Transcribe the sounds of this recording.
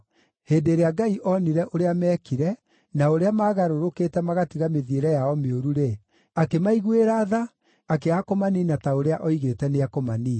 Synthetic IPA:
heːdeɾeaɡaiʔɔniɾɛʔoɾeamɛːkiɾɛ | naoɾeamaːɣaɾoɾoketɛmaɣatiɣameðieɾɛjaɔmeoɾuɾe | akemaiɣweɾaðaː | keakomaninataoɾeaʔɔiɣetɛneakomaniː

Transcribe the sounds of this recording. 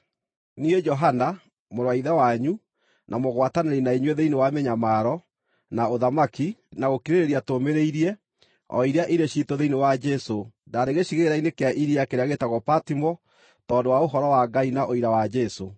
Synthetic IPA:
nied͡ʒɔɦana | moɾwaiðawaɲu | nʔamoɣwataneɾinaiɲweðeinewameɲamaɾɔ | naoðamakinaɣokiɾeɾeɾiatomeɾeiɾiɛ | ɔ̰iɾeaʔiɾeʃitoðeinewad͡ʒɛso | daɾeɣeɕiɣeɾainekeaʔiɾiakeɾeaɣetaɣɔpatimɔ | tɔːndowaoɦɔɾɔwaɡainaʔoiɾawad͡ʒɛso

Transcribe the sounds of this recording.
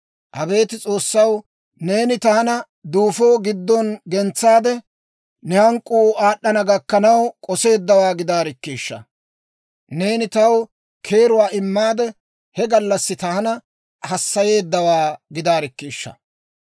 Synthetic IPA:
ʔɐbe̞ːt̪ɪt͡sʼo̞ːsːɐw | ne̞ːnɪt̪ɐhɐnɐ | d̪uːfoːɡɪd̪ːɔnɡɛnt͡sːaːd̪ɛ | nɛhɐŋkʼːuaːɗːɐnɐɡɐkːɐnɐwkʼɔse̞ːd̪ːɐwaːɡɪd̪aːɾɪkːiːʃːɐ̰ | ne̞ːnɪt̪ɐw | kʰe̞ːɾʊwaːɪmːaːd̪ɛ | hɛɡɐlːɐsːɪt̪ɐhɐnɐ | hɐsːɐje̞ːd̪ːɐwaːɡɪd̪aːɾɪkːiːʃːɐ̰

